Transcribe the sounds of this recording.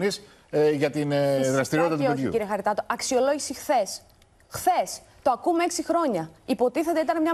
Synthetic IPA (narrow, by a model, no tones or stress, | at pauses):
nis | ʝɐt̪inðɾɐst̪iɾit̪ɐt̪peoðçjiṵciɾiexɐɾit̪ɐt̪o̞ʔɐksio̞lo̞ʝisixθe̞s | xθe̞s | t̪o̞ɐkumeeksixɾo̞ɲɐipo̞t̪iθe̞t̪eit̪ɐnemɲɐ